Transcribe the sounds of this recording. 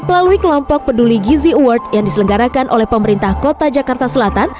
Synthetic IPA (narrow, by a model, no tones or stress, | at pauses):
məlaluikəlɔmpɔk̚pəduliɡiziuwərt̪̚jaŋdisələŋɡaɾakanʔolɛhpəməɾint̪ahkot̪ad͡ʒakart̪asəlat̪an